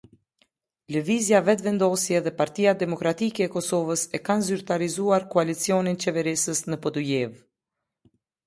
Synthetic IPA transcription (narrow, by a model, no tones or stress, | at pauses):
ləvizjavɛt̪vɛnd̪ɔsjɛðɛpaɾt̪ijad̪ɛmɔkɾat̪ikɛːkɔsɔvəsɛkanzyɾt̪aɾizuaɾkɔalit͡siɔnint͡ʃɛvɛɾisəsnəpɔd̪ujɛv